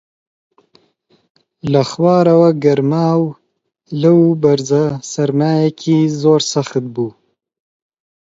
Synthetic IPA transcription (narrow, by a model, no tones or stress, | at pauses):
lɐxwɑːɾɐwɐɡɐɾmaːw | lɨwbɐɾzasɐɾmaːjakʰizoːɾsɐxt̪̚buː